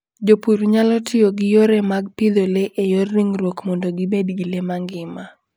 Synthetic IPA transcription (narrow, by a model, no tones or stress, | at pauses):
d͡ʒopuɾɲalɔtʰɪoɡɪjoɾemaɡ̚pɪd̪oleʔejorːiŋrwokmɔndoɡibedɡilemaŋɡɪma